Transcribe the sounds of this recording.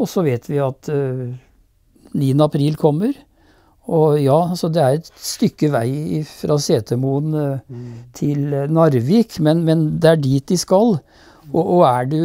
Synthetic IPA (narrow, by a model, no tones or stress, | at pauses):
ɔsɔʋeːt̪ʰʋɪɑt̪ | niːənəɑpʰɾiːlkʰɔmːəɾ | ɔjɑːɑlsɔd̪ɛæɾɛt̪st̪ʏkːəʋæɪɪfɾʔɑːseːt̪ʰəmuən | t̪ʰɪlnɑɾʋɪkmɛnmɛnd̪ɛæɖiːt̪̚d̪ɪskɑlː | ɔʔɔæɖʉ